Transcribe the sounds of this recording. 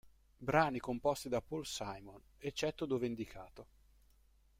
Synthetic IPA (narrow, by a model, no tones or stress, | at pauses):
bɾaːnikompɔst̪id̪apolsajmon | et͡ʃːɛt̪ːod̪oːvend̪ikʰaːt̪o